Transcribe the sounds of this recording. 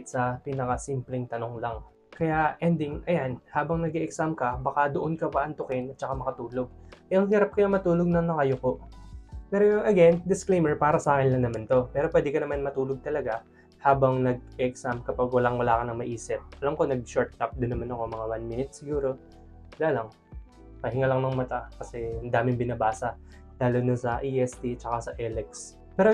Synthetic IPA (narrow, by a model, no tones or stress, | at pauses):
t̪sɐpiːnɐkɐsimplɛŋt̪ɐnoŋlɐŋ | kɐjaʔɛnd̪ɪŋʔɐjanhaːbɐŋnɐɡɛʔɛksamkɐbɐkad̪oʔonkɐwaɐʔɐnt̪ʊkɪnɐt͡ʃɐkamɐkɐt̪uːlo̞ɡ̚ʔɛʔɐŋɦiːɾap̚kɐjɐŋmɐt̪uːloɡ̚nɐŋnɐŋɐjoko̞ | pɛːɾojʔɐɡɛnd̪ɪsklejmɛɹpaːɾɐsaːkɪnlɐŋnɐmant̪o̞pɛːɾopwɛːd̪ɪkɐnɐmanmɐt̪uːloɡ̚t̪ɐlɐɡa | haːbɐŋnɐɡ̚ɛɛksamkɐpaɡ̚wɐlaŋwɐlaːkɐnɐŋmɐʔiːsɪp̚ʔɐlɐmko̞nɐɡ̚ʃoɹt̪̚kap̚d̪ʊnːɐmanɐko̞mɐŋawanminɪt̪̚sɪɡuːɾo̞ | ɐlaːlɐŋ | pɐɦɪŋalɐŋnɐŋmɐt̪akɐsɛɐnd̪aːmɪnbɪnabaːsɐ | laːlod̪onsɐʔiʔɛst̪it͡ʃɐkasɐʔɛlɛks | pɛːɾo